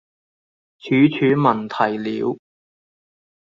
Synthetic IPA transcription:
t͡ʃʰyː˨˥t͡ʃʰyː˨˥mɐ˨˩nt̪ʰɐ˨˩jliː˨˥w

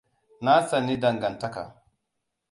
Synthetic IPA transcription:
na˦sa˨ni˦da˨ŋɡa˨nta˦ka̰˨

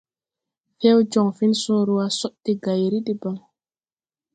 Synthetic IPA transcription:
fe˦wd͡ʒɔ˨ŋfi˦nsõː˦ɾu˦wa˦sɔ˦ʔti˦ɡa˨jɾi˦ti˦ba˨ŋ

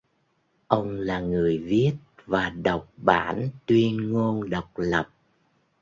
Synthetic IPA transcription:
ʔə˧wŋ͡mlaː˨˩ŋɨ˨˩əjvi˦˥ət̚vaː˨˩ɗə˨˩wk͡p̚ɓa̰ː˧˥nt̪wi˧ənŋo˧nɗə˨˩wk͡p̚lə˨˩p̚

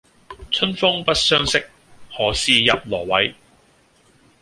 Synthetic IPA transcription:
t͡sʰɵ˥nfʊ˥ŋpɐ˥t̚sœː˥ŋsɪ˥k̚ | hɔː˨˥siː˨jɐ˨p̚lɔː˨˩wɐ˨˥j

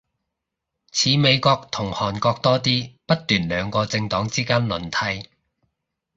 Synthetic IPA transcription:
t͡sʰiː˨˧me˨˧jkɔː˧k̚t̪ʰʊ˨˩ŋhɔː˨˩nkɔː˧k̚t̪ɔː˥t̪iː˥pɐ˥t̚t̪yː˨˩nlœː˨˧ŋkɔː˧t͡sɪ˧ŋt̪ɔː˨˥ŋt͡siː˥kaː˥nlɵ˨˩nt̪ʰɐ˧j

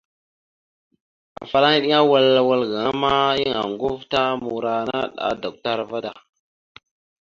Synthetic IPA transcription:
a̰˨fa˨la˦ni˦ɗi˦a˦wa˦˨la˨wa˦lɡa˨ŋa˦ma˦ji˦ŋa̰˨ŋɡu˦fta˦mu˨ɾa˨na˦ɗa̰˨da˨k̚ta˦ɾva˦da˨

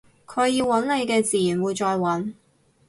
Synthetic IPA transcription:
kʰɵ˨˧ɥjiː˧wwɐ˨˥nle˨˧jkɛː˧t͡siː˨jyː˨˩nwuː˨˧jt͡sɔː˧jwɐ˨˥n

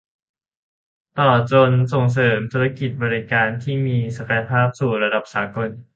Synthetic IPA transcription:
t̪ɔː˨˩t͡ɕo˧nso˨˩ŋs̬ɤː˩˦mt̪ʰuː˧ɾa˦˥ki˨˩t̪̚bɔː˧ɾi˧kaː˧nt̪ʰiː˥˩miː˧sa˧ka˧ja˧pʰaː˥˩p̚suː˨˩ɾa˧da˨˩p̚saː˩˦ko˧n

